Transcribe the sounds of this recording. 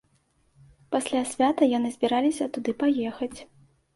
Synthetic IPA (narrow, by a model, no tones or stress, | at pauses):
pasʲlʲasʲvʲat̪ɐjɔnɨzʲbʲiɾalʲisʲɐt̪ud̪ɨpajɛxɐt͡sʲ